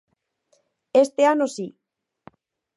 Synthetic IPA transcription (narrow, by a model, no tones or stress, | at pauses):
est̪eanosi